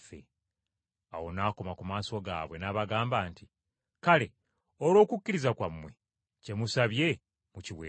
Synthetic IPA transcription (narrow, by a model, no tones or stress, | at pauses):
fḛ | awo̞naːko̞makumaːso̞ɡa̰ːβwe̞naːβaɡaːmbaːnti | kale̞ | oɾo̞ːkucːiɾizakwamːwe̞ | ce̞musaβje̞ | muciwe